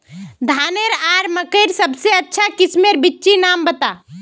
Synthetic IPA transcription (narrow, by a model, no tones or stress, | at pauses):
d̪ʱaːneɾaːɾməkəɪɾsəbseɐtːʃʰakɪsmeɾbɪtːʃinaːmbət̪a